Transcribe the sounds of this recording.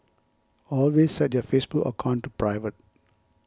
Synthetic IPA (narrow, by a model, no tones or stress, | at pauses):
ɔlwessɛt̚jɔfesbukə̰kʰãntːupɹaɪvət̚